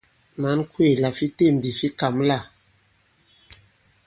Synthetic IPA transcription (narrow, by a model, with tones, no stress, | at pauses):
ma˨˦nkwe˦˨la˨fi˦te˦˨m̩˨di˨fi˦ka˨m˦la˦˨